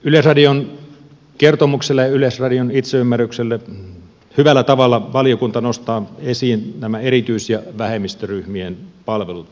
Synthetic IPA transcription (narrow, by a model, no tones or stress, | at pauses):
ylesrɑdion | kert̪omukselːɑjɑylesrɑdionit̪seymːærykselːe | hyʋælːˑæt̪ɑʋɑlːɑʋɑlijokunt̪ɑnost̪ɑːesiːnnæmæerit̪yisjɑʋæhemist̪øryhmienpɑlʋelut̪